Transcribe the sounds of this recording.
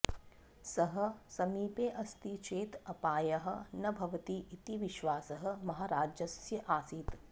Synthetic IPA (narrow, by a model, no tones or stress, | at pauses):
sɐɦɐ̆sɐmiːpeːʔɐst̪it͡ʃeːt̪ɐpaːjɐɦɐ̆nɐbʱɐʋɐt̪iʔit̪iʋiʃʋaːsɐɦɐ̆mɐɦaːɾaːd͡ʒjɐsjɐʔaːsiːt̪